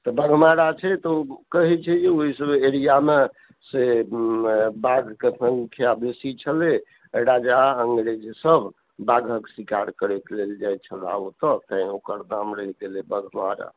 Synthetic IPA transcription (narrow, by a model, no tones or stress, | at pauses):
t̪ɔbəɡʱmaɾat͡ʃʰɛt̪ɔkəɦit͡ʃʰɛd͡ʒeoɦisəbeɾijame | se | baɡʱkesəŋɡkʰijab̪esit͡ʃʰəle | əɽad͡ʒaəŋɡɽed͡ʒsəbʱ | baɡʱəksikaɾkəɾet̪leld͡ʒajt͡ʃʰəla̰ot̪ɔt̪ə̃ĩokəɾd̪amɾəɦiɡelebəɡʱma̰ɾa̰